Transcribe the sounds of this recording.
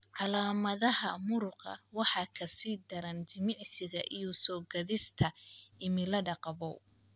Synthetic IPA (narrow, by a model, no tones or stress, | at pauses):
ʕɑlaːmɐðɐɦɐmʊɾʊqɑ̰wɑħɑːkʰɐsiːd̪ɐɾɐnt͡ʃɪmɪʕsɪɣɐʔijuːsɔːɡɐðɪst̪ʰɐɪmɪlɐɖɑqɑβɔ